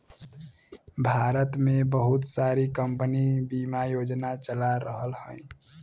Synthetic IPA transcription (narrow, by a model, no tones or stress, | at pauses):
bʱaɾət̪mebəɦut̪saɾikəmpənibimajod͡ʒnat͡ʃəlaɾəɦəlhə̃j